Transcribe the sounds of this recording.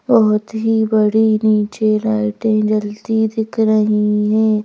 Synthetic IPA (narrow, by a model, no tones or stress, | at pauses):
bɐɦʊt̪ɦibɐɽiniːt͡ʃelaːɪʈẽd͡ʒɐld̪id̪ɪkʰɾɐɦiɦɛ̃ː